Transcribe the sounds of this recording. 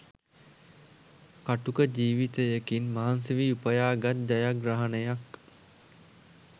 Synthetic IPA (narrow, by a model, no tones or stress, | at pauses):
kaʈukəd͡ʒiːʋit̪əjəkinmaɦansiʋiupəjaːɡat̪̚d̪ajaɡɾaɦanəjak